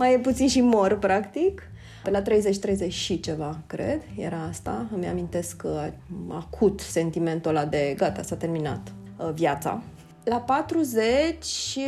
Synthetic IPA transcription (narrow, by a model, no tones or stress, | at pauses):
majeput̪sinʃimo̞rpɾakt̪ik | pelat̪ɾe̞jze̞t͡ʃt̪ɾe̞jze̞t͡ʃʲʃit͡ʃe̞vakɾe̞̰d̪ja̰ɾaast̪aəmeamĩnt̪e̞skːaa̰kʰut̪se̞nt̪ime̞nt̪olad̪e̞ɡat̪a̰sat̪e̞rmina̰t̪ | vjat̪sa̰ | lapat̪ɾuzet͡ʃʲʃ